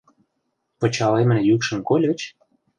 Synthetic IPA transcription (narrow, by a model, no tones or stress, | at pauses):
pə̆t͡ɕɑlemə̆njykʃə̆nkolʲə̆t͡ɕ